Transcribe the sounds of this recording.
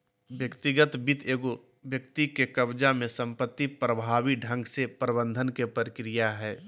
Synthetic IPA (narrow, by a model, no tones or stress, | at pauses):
ʋjəkt̪ɪɡət̪bɪt̪ʰeːɡo | ʋjək̚t̪ikekəbd͡ʒamẽsə̃mpət̪ːipɾəbʱaːʋiɖʱə̃ŋɡsepɾəbə̃nd̪ʱənkepəɾɪkɾijaɦɛː